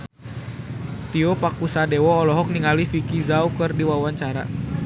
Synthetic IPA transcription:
t̪iɔpakusadɛwɔːlɔɦɔk̚niŋalifikizaukɨrdiwawaɲt͡ʃaɾa̰

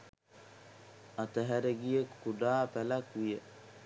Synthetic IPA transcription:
at̪əɦæɾeɡijəkuɖaːpælakʋijə

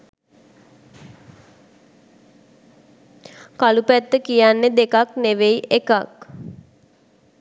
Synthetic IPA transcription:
kalupæt̪ːəkijanːed̪ekakneʋeiʔekak

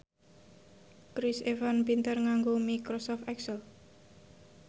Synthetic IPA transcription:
kɾisevanpint̪ərŋaŋɡomikɾosɔft̪ɛksəl

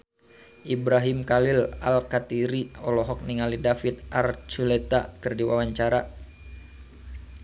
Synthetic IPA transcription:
ʔibɾaɦimkalila̰lkat̪iɾiɔlɔɦɔk̚niŋalidafit̪̚ʔart͡ʃulɛt̪a̰kɨrdiwa̰waɲt͡ʃaɾa

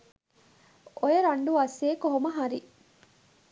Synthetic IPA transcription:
ʔojeɾɐɳɖuʋɐseːkoɦomɐɦɐɾi

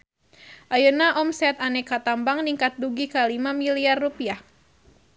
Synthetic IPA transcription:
ʔajunaʔɔmsɛt̪anɛkat̪ambaŋniŋkat̪̚duɡikalimamiliarːupiah

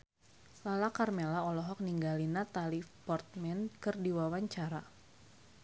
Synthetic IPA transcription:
lalakarmelaɔlɔɦɔk̚niŋɡalinat̪alipɔrt̪̚mɛnkɨrdiwawaɲt͡ʃaɾa

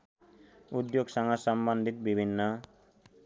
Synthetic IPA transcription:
ud̪joɡsaŋasɔmband̪ʱit̪bibʱinːɔ

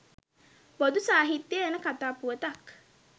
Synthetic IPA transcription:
bod̪usaːɦit̪ːjəenəkat̪aːpuət̪ak

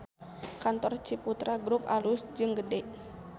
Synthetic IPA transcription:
kant̪ɔrt͡ʃiput̪ɾaɡɾupalusd͡ʒɨŋɡədɛʔ

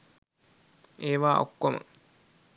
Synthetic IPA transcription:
eːʋaːo̰kːomə̰

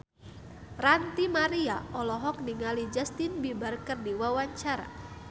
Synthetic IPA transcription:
rant̪imaɾiaɔlɔɦɔk̚niŋalid͡ʒast̪inbibərkərdiwawaɲt͡ʃaɾa̰

